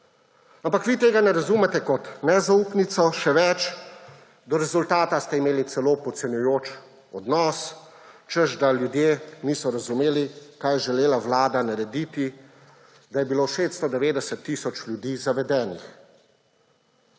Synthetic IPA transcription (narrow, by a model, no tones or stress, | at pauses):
ampakʋiːt̪eːɡanɛɾazumɛt̪ɛkɔt̪nɛzauːpnit̪sɔʃɛʋɛt͡ʃ | d̪ɔɾɛzult̪aːt̪ast̪ɛimeːlit̪sɛloːpɔt̪sɛnjujoːt͡ʃ | ɔd̪nɔːs | t͡ʃəzd̪aljud̪jeniːsɔɾazumeːlikaːjɛʒɛleːlaʋlaːd̪anaɾɛd̪it̪i | d̪ajɛbiloːʃeːst̪st̪ɔd̪ɛʋeːd̪ɛsɛt̪ːiːsɔt͡ʃlʲjud̪iːzaʋɛd̪ɛːnix